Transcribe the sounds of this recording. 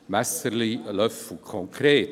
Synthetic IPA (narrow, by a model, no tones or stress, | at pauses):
masəliəlʌvukʰɔ̃ŋkʰɾeːt